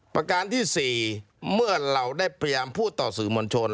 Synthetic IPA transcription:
pɾa˧kaː˧nt̪ʰiː˥˩siː˨˩ | mɯ˥˩ɐɾa˧wdaː˥˩jpɾa˧jjaː˧mpʰuː˥˩t̪ːɔː˨˩sɯː˩˦moː˧nt͡ɕʰo˧n

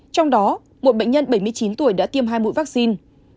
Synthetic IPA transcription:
t͡ɕɔ˧wŋ͡mɗɔ˨˦ | mo˨˩t̚ɓə̰˧˨ŋ̟ɲə˧nɓə˧˩jmɨ˧əjt͡ɕi˨˦nt̪u˧˩əjɗa̰ː˧˥t̪i˧əmɦaː˧jmṵ˧˥˨jvaː˦˥k̚si˧n

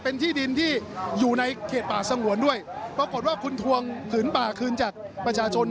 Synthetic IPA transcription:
pe˧nt̪ʰiː˥˩di˧nt̪ʰiː˥˩juː˨˩na˧jkʰeː˨˩t̪̚paː˨˩sa˧ŋu˩˦əndu˥˩əjpɾaː˧ko˨˩t̪̚waː˥˩kʰu˧nt̪ʰu˧əŋt̪ʰɯː˩˦npaː˨˩kʰɯː˧nt͡ɕaː˨˩k̚ | pɾa˧t͡ɕʰaː˧t͡ɕʰo˧n

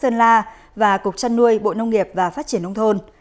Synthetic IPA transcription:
səː˧nlaː˧ | vaː˨˩kʊ˨˩k̚t͡ɕa˧nːu˧əjɓo̰˧˨nə˧wŋ͡mŋi˨˩əp̚vaː˨˩faː˦˥t̚t͡ɕi˧˩ənʔə˧wŋ͡mt̪ʰo˧n

